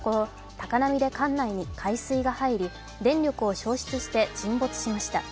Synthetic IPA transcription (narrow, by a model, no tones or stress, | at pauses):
koo | t̪akanamʲid̪e̞kãnːaiɲ̟ikʰaisɨiɡahaiɾʲi | d̪ẽ̞ɲɾʲo̞kɯ̟o̞ɕo̞ːɕi̥t͡sɨɕi̥t̪e̞d͡ʑĩmbo̞t͡sɨ̥ɕimaɕi̥t̪a